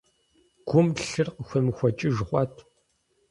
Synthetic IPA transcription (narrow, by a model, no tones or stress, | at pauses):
ɡ̥ʷʊmɬɨrqəxʷɐmɨxʷɐt͡ʃʼɪʒχʷɑːtʰ